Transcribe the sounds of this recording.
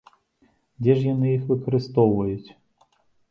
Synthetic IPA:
dʲɛʐjɔnɨjixʋɨkɐɾɨst̪ɔvɐjʊtʲ

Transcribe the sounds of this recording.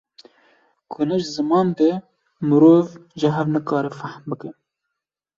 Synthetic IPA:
kʰʊnɨʒzɨmɑːnd̪e | mɨɾoːvʒəɦɛvnəkɑːɾefahmbɨkɨn

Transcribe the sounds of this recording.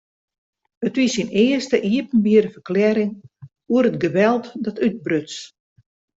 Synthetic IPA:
ətʋisinɪːəstəʔiəp̚ən̩biəɾəfərklɛɾɪŋ | uəɾətɡəbɛlˠtdɔtyt̚brøt͡s

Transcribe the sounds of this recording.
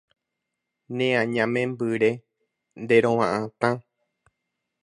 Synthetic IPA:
nẽãɲãmẽmbɨɾe | nd̪eɾõwãʔãt̪ã

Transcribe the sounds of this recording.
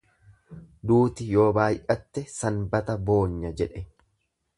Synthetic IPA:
d̪uːt̪ɪjo̞ːbaːjʔɐt̪ːɛsɐnbɐt̪ɐbo̞ːɲːɐd͡ʒɛᶑɛ

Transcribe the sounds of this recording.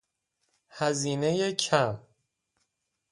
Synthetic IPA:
hæziːne̞jecʰæm

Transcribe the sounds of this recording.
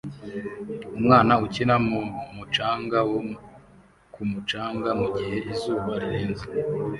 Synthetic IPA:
umŋaːnaucinamuːnhuːmut͡ʃaːŋɡawo | kumut͡ʃaːŋɡamuɟihe̞ʔizuːβaɾiɾeːnze

